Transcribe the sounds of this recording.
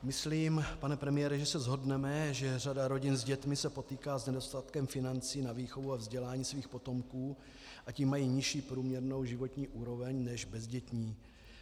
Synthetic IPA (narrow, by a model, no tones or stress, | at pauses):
mɪsliːmpanɛpɾɛmɪjɛɾɪʒɛsɛzɦo̞dnɛmɛʒɛr̝adaɾo̞ɟɪnzɟɛt̪mɪsɛpo̞t̪iːkaːznɛdo̞st̪at̪kɛmfɪnant͡siːnaviːxo̞vuavzɟɛlaːɲiːsviːxpo̞t̪o̞mkuː | ʔaciːmːajiːɲɪʃiːpɾuːmɲɛɾno̞wʒɪvot̪ɲiːʔuːɾo̞vɛɲnɛʒbɛzɟɛt̪ɲiː